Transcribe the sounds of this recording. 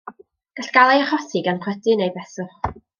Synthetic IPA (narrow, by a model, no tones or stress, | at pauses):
ɡ̥aɬɡ̥alˠajaχɔsɪɡanχʰwɛdɨnejbɛsʊχ